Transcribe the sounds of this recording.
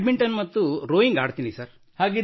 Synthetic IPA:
ɖmeɳʈɐnːmɐt̪ːuɾoːjiŋɡaːɽt̪iːnisɐɾ | haːɡi

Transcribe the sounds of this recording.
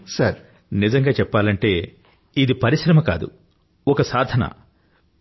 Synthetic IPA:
sɐɾ | nizɐŋɡaːt͡ʃɛpːaːlɐɳʈe̞ː | id̪ipɐɾiʃɾɐmɐka̰ːd̪ṵ | ɔkɐsaːd̪ʱɐnɐ̰

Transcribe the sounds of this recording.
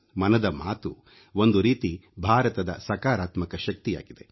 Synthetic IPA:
mɐnɐd̪ɐmaːt̪u | o̞nd̪uɾiːt̪ibʱaːɾɐt̪ɐd̪ɐ̰sɐkaːɾaːt̪mɐkɐʃɐk̚t̪ija̰ːɡid̪e̞

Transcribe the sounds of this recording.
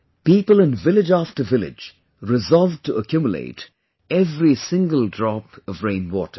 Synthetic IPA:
pipəlˠə̃nvɪlɪd͡ʒæftə˞vɪlɪ̰d͡ʒ | ɹɪzɔlˠv̚təəkʰj̥umjəlḛɪt | ɛvɹisɪ̃ŋɡəlˠdɹɔpʌvɹẽɪ̃nwɔtə˞

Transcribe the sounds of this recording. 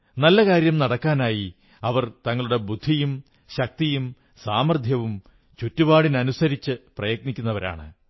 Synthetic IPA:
nɐlːɐkaːɾjɐmnɐɽɐkːaːnaːji | ɐʋɐrt̪ɐŋːɐɭuɽe̞bud̪ʱːijum | ɕɐk̚t̪ijum | saːmɐrd̪ʱjɐʋum | t͡ɕutːuʋaːɽinɐnusɐɾit͡ɕːɨprɐjɐk̚nikʲːunːɐʋɐɾa̰ːɳɨ̰

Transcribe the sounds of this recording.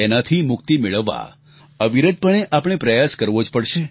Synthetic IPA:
enat̪ʰimʊk̚t̪imeɭəʋːa̰ | əʋiɾəd̪̚pəɳ̃eʔapɳ̃epɾəjaskəɾʋod͡ʒpəɽʃe

